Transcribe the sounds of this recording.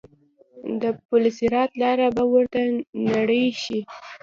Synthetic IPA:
d̪əpʊlɪsiɾɑt̪lɑɾabawəɾt̪anaɽəjʃi

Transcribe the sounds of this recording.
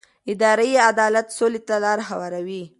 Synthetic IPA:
ɪd̪ɑɾəjead̪ɑlat̪solet̪alɑɾɦawɑɾawi

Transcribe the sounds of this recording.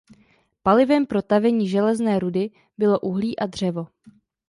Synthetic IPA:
palɪvɛmpɾo̞t̪avɛɲiːʒɛlɛznɛːɾudɪ | bɪlo̞ʔuɦliːʔadr̝̥ɛvo̞

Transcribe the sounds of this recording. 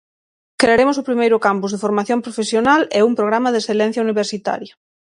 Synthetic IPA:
kɾeaɾemʊsʊpɾimejɾʊkampuzðefoɾmaθjompɾofesjonalɛumpɾoɣ̞ɾamaðesθelɛn̟θjauniβ̞eɾsit̪a̰ɾja

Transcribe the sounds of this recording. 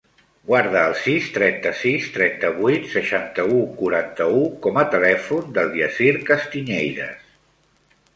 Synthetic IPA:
ɡwaɾðəːlˠsist̪ɾɛnt̪əsist̪ɾɛnt̪əβujt̪səʃant̪əukuɾant̪əukɔmət̪əlɛfund̪əlˠd̪iəsiɾkəst̪iɲejðə̰s

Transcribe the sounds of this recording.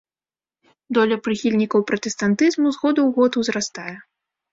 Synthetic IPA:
d̪ɔlʲɐpɾɨxʲilʲnʲikɐwpɾɐt̪ɛst̪ant̪ɨzmuzɣɔd̪ɐwɣɔt̪wzɾast̪ajɛ

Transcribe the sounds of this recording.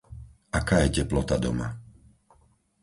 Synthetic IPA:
ʔakaːjɛcɛplɔt̪ad̪ɔ̰ma̰

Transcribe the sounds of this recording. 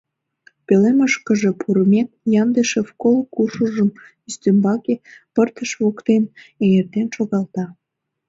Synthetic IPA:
peleməʃkə̆ʒepʰuɾəmʲek̚jɑnd̪eʃefkolkuʃuʒəm | yst̪ømbɑkepərt̪əʃβokt̪enejert̪enʃoɣɑlt̪ɑ

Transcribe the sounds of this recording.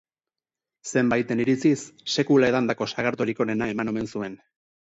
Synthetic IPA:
se̞mbajt̪e̞niɾit͡sisːe̞kulae̞ðand̪ako̞saɣaɾt̪oɾiko̞ɾe̞nae̞mano̞me̞nsue̞n

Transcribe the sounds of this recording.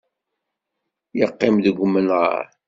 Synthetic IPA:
jəqːɪmðəɡʷmːənʁə̰ɾ

